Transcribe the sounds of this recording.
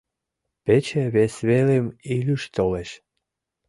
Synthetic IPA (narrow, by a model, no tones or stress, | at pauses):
pet͡ɕeβesβelemilʲyʃt̪oleʃ